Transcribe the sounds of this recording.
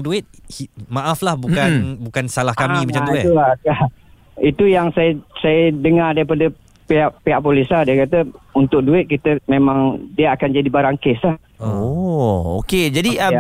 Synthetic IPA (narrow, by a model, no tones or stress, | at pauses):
duɪt̪̚himãʔaflahbukanbukansalahkamimat͡ʃad̪uɪt̪uaka | it̪ujaŋsajəsajədəŋardaɾipadə | piaʔpiaʔpolisahdiəkat̪əunt̪ʊk̚duɪt̪̚kit̪əmemaŋdiəakand͡ʒadibaɾaŋkesah | o | o̰ked͡ʒadiə